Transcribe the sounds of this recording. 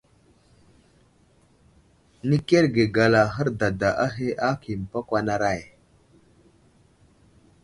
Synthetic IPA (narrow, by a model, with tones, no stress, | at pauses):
ni˦ke˦ɾɡe˨ɡa˨la˨ɦə˦ɾda˨da˨ʔa˦ɦe˦ʔa˦ki˨m˨pa˦kʷa˦na˦ɾa˦˨j